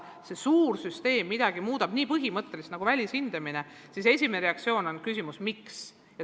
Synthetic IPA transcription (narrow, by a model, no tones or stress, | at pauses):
se̞suːrsyst̪e̞ːmːid̪ɑɡ̥imuːd̪ɑb̥niːpɤɦimɤt̪ˑːe̞list̪nɑɡ̥uvælʲishind̪̥emine̞ | sise̞sʲimeneɾe̞ɑk̚t̪sio̞ːno̞nkysimusmiks | jɑ